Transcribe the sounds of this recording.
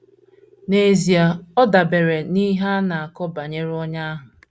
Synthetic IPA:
ne˨zi˨a˨ɔ˦da˨be˨ɾe˨ni˦ɦa˦na˨a˨kɔ˦ba˨ɲe˦ɾɔ˦ɲa˦a˦ɦʊ˨

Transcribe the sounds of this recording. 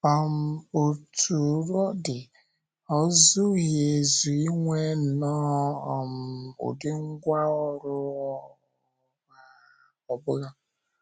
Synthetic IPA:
ɔ˨m̩˨o˨tʰu˨ɾɔ˦dɪ˨ | ɔ˦zʊ˦ɦe˨e˨zu˨i˦ŋʷe˦n̩˨nɔː˦ɔ˨m̩˨˦˨ʊ̰˨dɪ˦ŋ̩˦ɡʷa˦ɔ˦ɾʊ˦ | a˨ | ɔ˨bʊ˦ɣa˦

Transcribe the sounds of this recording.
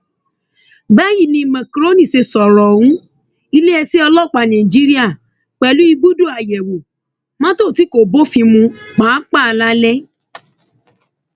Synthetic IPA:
ba˦ji˦˨nĩ˧mɛ̃˨kɾo˦nĩ˦˨se˧sɔ˨ɾɔ˨wũ˨˦ | i˧le˦ɛ˧si˦ɔ˧lɔ˦˨k͡pa˧˨nã˨i˨d͡ʒi˦ɾi˦a˦˨ | k͡pɛ˨lu˨˦i˧ɡ͡bu˦du˦˨a˨jɛ˨wo˨ | mã˦to˦˨ti˨˦ko˨bo˦fĩ˧mũ˧k͡pã˨˦k͡pa˦˧la˦lɛ˦

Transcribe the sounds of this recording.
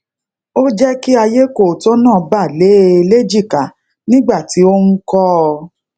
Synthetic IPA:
o˦d͡ʒɛ˦ki˦a˧je˦ko˦˨tɔ˦nãː˦˨ba˦˨le˨˦˧le˦d͡ʒi˦˨ka˨ | nĩ˦ɡ͡ba˦˨ti˨˦o˦nũ˦kɔ˦˧

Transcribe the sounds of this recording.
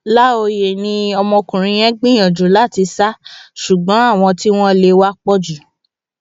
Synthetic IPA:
la˦o˧je˨nĩ˧ɔ˧mɔ̃˧kũ˨ɾ̃ĩ˧j̃ɛ̃˦ɡ͡bĩ˦j̃ɔ̃˨d͡ʒu˨˦la˦˨ti˧sa˦ʃu˨ɡ͡bɔ̃˨˦a˦˨w̃ɔ̃˧ti˦w̃ɔ̃˦le˧wa˦k͡pɔ˦d͡ʒu˨

